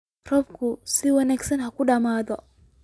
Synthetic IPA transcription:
rɔbkʰʊsɪwɐnaːɡsɐnɦɐkʰʊɖɐmaːðɔ

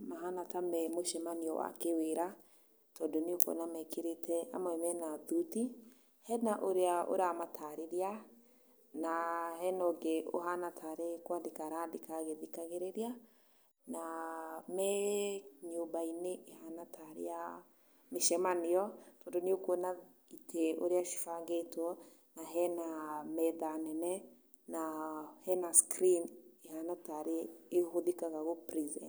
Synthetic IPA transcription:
maɦanatamɛmoʃɛmaniɔwa̰keweɾa | tɔːndoniokɔ̰namɛkeɾetɛa̰mwɛmɛnaðuti | hɛnaʔoɾeao̰ɾamatʰaɾeɾea | nahɛnɔɡeo̰ɦanatʰaɾekwandekaɾadekaɣeðikaɣeɾeɾea | namɛ | ɲuːmbaineʔːhanataɾḛja | miʃɛmanijɔtodoniokwona | itʰeoɾiaʃi̥faŋɡetɔ | naɦɛnamɛðanɛnɛ | nahɛnaskɾiniɦanataɾeːhoðikaɣaɣopɾizɛ̰

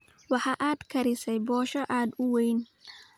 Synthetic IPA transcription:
wɑħɑʔaːd̪kʰɐɾɪsɛjbɔːʃɐʔaːd̪ʊwɛjn

